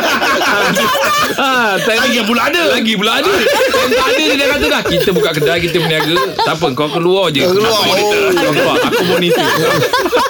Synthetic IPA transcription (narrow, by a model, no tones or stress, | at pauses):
at̪adəŋap̬ulaadəlaɡipulaadəkaŋkaadəd͡ʒidakat̪̬əlahkit̪əbukaʔkədalk̬it̪̬əməniaɡət̪ap̬əəŋkaakəluɔd͡ʒəmɔnit̪əlakaaŋkaaakumɔnit̪ia